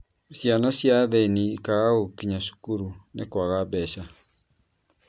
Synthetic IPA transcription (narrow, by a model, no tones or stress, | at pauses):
sjanɔsjaðenikaɣaɣokiɲaʃu̥kuɾunekwaɣabɛʃa